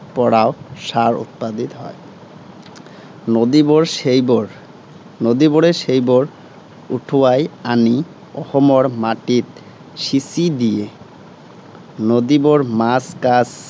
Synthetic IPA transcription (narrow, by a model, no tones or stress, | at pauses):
pɔɽaoʃaɾṵt̪̚pad̪it̪ɦɔe | nod̪iboɾʃejboɾ | nod̪iboɾeʃejboɾ | uʈʰuajani | ɔhomoɾmaʈit̪ | ʃisid̪ije | nod̪iboɾmaskas